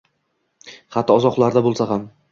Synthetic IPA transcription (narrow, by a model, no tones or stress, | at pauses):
χat̪ʰːɪɒzɒqlˠaɾd̪abolˠsaɦam